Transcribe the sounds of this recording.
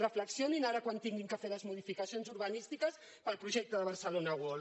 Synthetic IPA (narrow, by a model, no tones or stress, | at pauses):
rəfləksioninaɾəkwant̪iŋɡiŋkəfeləzmuðifikəsionzuɾβənist̪ikəs | pəlˠpɾuʒɛk̚t̪əðəβəɾsəlonəɣol